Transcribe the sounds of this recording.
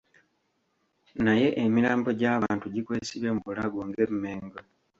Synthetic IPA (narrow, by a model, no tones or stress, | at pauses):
naje̞ʔemiɾaːmbo̞ɟaːβaːntuɟikweːsiβemuβulaɡoŋɡemumeːŋɡo